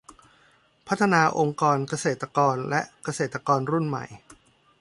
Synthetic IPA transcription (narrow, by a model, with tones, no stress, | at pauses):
pʰa˦˥t̪ʰːa˧naː˧ʔo˧ŋkɔː˧nka˧seː˨˩t̪ːa˧kɔː˧nlɛ˦˥ʔka˧seː˨˩t̪ːa˧kɔː˧nɾu˥˩nma̰˨˩j